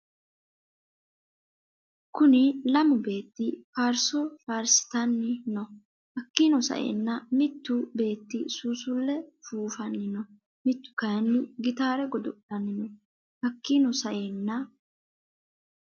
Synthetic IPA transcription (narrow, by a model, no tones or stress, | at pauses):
kʊnɪlɐmʊbe̞ːt̪ːɪfaːɾsɔfaːɾsɪ̥t̪ɐnːɪnɔ | hɐkːinɔsɐ̰ʔḛːnːɐmɪt̪ːʊbe̞ːt̪ːɪsuːsʊlːɛfuːfɐnːɪnɔ | mɪt̪ːʊ̥kɐjnːɪɡɪt̪aːɾɛɡɔd̪ɔd̪ɐnːɪnɔ | hɐkːinɔsɐʔeːnːɐ